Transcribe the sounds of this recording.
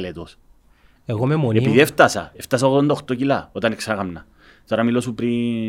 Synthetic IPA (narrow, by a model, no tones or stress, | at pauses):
let̪os | eɣomemonepiðieft̪ɐsɐ̰eft̪ɐsɐoɣðond̪ɐoxt̪ocilɐot̪ɐneksɐɣɐmnɐ | t̪oɾɐmilo̞supɾi